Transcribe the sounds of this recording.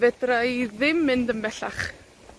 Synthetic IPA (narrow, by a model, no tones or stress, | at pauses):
vɛdrajðɪmːɪndənbɛɬaχ